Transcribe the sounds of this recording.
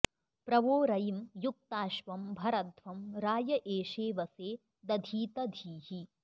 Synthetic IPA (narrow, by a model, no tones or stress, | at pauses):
pɾɐʋoːɾɐjimjuk̚t̪aːʃʋɐmbʱɐɾɐd̪ʋɐmɾaːjɐʔeːʂeːʋɐseː | d̪ɐd̪ʱiːt̪ɐd̪ʱiːɦi